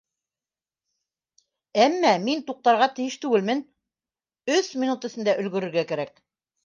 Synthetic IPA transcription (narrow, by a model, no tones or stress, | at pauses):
æmːæmint̪uq̚t̪ɑɾʁɑt̪ɘ̆jɘʃt̪ʉɡɘlmɘn | ɵθmʲinut̪ə̆sɘ̆nd̪æʔɵ̆lɡɵ̆ɾɵ̆ɾɡækæɾæk